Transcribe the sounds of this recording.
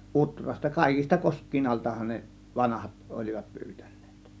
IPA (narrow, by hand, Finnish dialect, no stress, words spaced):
ʔutrɑstɑ kɑˑe̝kis̆tɑ koskˑiːn ɑltɑhɑn ne ʋɑnɑhɑt olʲiʋɑt pyːtæ̥n̥ˑe̥ːt